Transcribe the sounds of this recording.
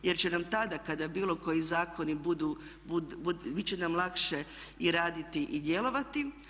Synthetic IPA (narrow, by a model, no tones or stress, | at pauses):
je̞ɾt͡ɕe̞namt̪ad̪akad̪abiːlˠo̞ko̞jizaːko̞nibud̪uːbuubit͡ɕe̞namlˠakʃe̞iɾaːd̪it̪iʔid̪je̞lo̞ʋat̪i